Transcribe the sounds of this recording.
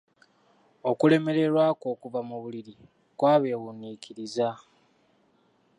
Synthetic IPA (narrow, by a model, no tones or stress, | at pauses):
o̞kule̞me̞ɾe̞ɾwaːko̞ːkuvamuβuliɾi | kwaːβe̞ːɣunːikʰiɾiza